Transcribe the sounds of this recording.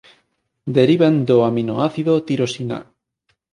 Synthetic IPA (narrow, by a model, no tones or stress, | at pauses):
d̪eɾiβand̪oamino̰aθiðot̪iɾosina̰